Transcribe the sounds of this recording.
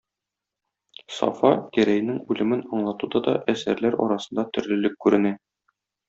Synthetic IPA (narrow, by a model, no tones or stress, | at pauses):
sɒ̰fɑkæɾæj̆nɘŋʉlɘ̆mɘnɒɴlˠɑt̪ud̪ɑd̪ɒ̰ʔæsæɾlæɾɒ̰ɾɑsɤ̥̆nd̪ɑt̪ɵ̆ɾlɘ̆lɘkːʉɾɘ̆næ